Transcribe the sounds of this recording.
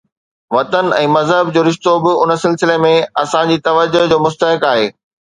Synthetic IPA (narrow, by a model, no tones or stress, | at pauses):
ʋɐt̪ənɛ̃ːmɐzɦəbd͡ʑoːɾɪʃt̪obɪʊnəsɪlsɪlemẽɐsãd͡ʑiːt̪ɐʋəd͡ʑʊd͡ʑoːmʊst̪əɦɪkaːɦeː